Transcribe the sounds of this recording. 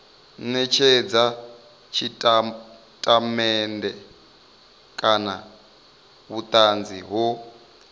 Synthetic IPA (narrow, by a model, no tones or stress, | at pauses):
nɛt͡ʃʰɛd͡za | t͡ʃʰitʼ | tʼamɛndɛ | kʼana | βut̪ʼand͡ziɦɔ